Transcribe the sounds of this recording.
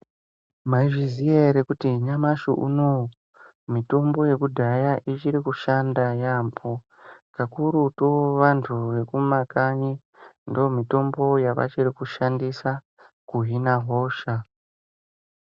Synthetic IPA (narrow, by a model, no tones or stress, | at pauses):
maiʐizijeɾekutiɲamaʃuʔṵno | mito̞mbo̞je̞kudʱajaʔit͡ʃiɾikuʃandajaːmpʰo | kakuɾutoʋantʰuʋe̞kumakaɲi | ndoomito̞mbo̞jaʋa̰t͡ʃirikuʃandisa | kuɦinaɦo̞ːʃa